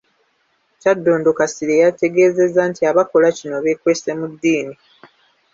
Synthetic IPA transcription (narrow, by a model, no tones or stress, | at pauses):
cadːo̞ːndokasiɾejate̞ɡe̞ːze̞zantiaβako̞lacino̞βe̞kwe̞ːse̞mudːiːni